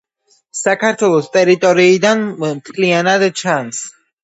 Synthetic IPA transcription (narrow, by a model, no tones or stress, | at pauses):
sakʰaɾt̪ʰwɛlˠɔst̪ʼɛɾit̪ʼɔɾiːd̪anmt̪ʰlianad̪t͡ʃʰans